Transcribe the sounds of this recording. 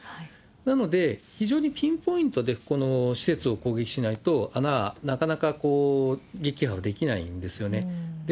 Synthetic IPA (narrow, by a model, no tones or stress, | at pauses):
hai | nano̞d̪e̞çiʑo̞ːɲ̟ipʲĩmpo̞ĩnt̪o̞d̪e̞ko̞no̞ɕi̥se̞t͡sɨo̞ko̞ːɡe̞kʲi̥ɕinait̪o̞ananakanakakoːɡʲe̞kʲihaβad̪e̞kʲinaḭ̃nd̪e̞sɨjo̞ne̞d̪e